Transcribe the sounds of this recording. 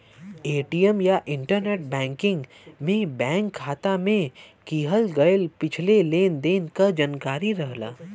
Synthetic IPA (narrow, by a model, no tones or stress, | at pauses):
eːʈiːəmjaʔɪ̃ɳʈəɾneːʈ̚bɛ̃ːŋkɪ̃ŋɡ | mẽbɛ̃ːŋkʰːaːt̪amẽkiːɦəlɡɐjəlpɪt͡ʃʰleleːnd̪eːnkad͡ʒənkaːɾiɾɐɦla̰ː